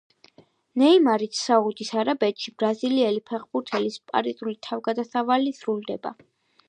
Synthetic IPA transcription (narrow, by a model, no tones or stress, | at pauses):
nɛimaɾit̪ʰsaʁud̪isaɾabɛt̪ʃibɾaziliɛlipʰɛχbuɾt̪ʰɛlispʼa̰ɾizʼulit̪ʰavɡad̪asavalisɾuld̪ɛba̰